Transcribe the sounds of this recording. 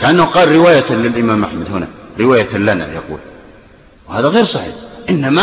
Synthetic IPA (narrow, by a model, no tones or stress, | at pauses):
kaʔanːahuqɑːlɾɪwaːjalɪlʔɪmaːmʔaħmad̪hʊna̰ɾɪwaːjalana̰jɑqṵːl | whaːðaɣeːɾsˤɑħiːħʔɪnːama